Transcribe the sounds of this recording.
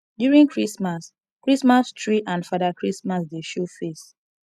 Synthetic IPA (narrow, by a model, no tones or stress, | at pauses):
djuɹĩŋkʰɹismas | kɹismastʰɹiʔãndfadakɹismasdeʃofes